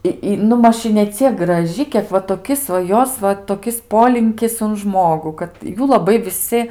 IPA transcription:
ɪ ˈɪ nʊ ˈmɐʃ ɪ nʲɛˈt͡sʲiɛk ɡrɐˈʒʲɪ ˈkʲiɛk ʋɐ toːˈkʲɪs ʋɐ ˈjoːs ʋɐ toːˈkʲɪs ˈpoːlʲɪŋʲkʲɪs ʊn ˈʒmoːɡʊ kɐt ˈjuː lˠɐˈbɐɪ ʋʲɪˈsʲɪ

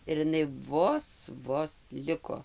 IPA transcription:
ɪr ɪˈnɐɪ ˈʋoːs ˈʋoːs ˈlʲɪkoː

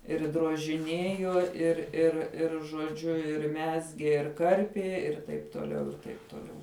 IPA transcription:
ɪr droːʒʲɪˈnʲeːjoː ɪr ɪr ˈɪr ʒoːˈd͡ʒʲʊ ɪr ˈmʲæːzʲɡʲeː ɪr ˈkɐrʲpʲiɛ ɪr ˈtɐɪp tuɔˈlʲɛʊ ɪr ˈtɐɪp tuɔˈlʲɛʊ

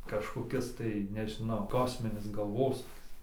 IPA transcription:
kɐʃkoːˈkʲɪs tɐɪ nʲɛʒʲɪˈnɐʊ ˈkoːsʲmʲɪnʲɪs ɡɐlˠˈʋoːsuːkʲɪs

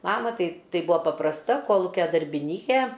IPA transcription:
ˈmɑːmɐ ˈtɐɪ ˈtɐɪ ˈbʊɐ pɐprɐsˈtɐ ˈkoːlˠʊkʲɛ dɐrʲbʲɪˈnʲiːkʲeː

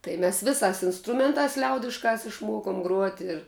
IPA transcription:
tɐɪ mʲɛs ˈʋʲɪˌsɑːs ɪnsˈtrʊmʲɛntɑːs ˈlʲɛʊdʲɪʃkɑːs ɪʃˈmuɔkoːm ɡruɔtʲ ɪr

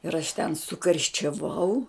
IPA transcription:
ɪr ɐʃ tʲɛn sʊkɐrʲʃʲt͡ʃʲɛˈʋɐʊ

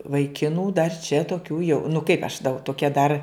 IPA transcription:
ʋɐɪˈkʲɪnuː dɐr t͡ʃʲɛ toːˈkʲuː jɛʊ nʊ kɐɪp ɐʃ dɐʊ toːˈkʲɛ dɐr

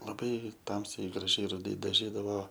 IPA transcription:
lˠɐˈbɐɪ ˈtɐmʲsʲɛɪ ɡrɐˈʒʲɛɪ rʊˈdɐɪ dɐˈʒʲiːdɐʋoː

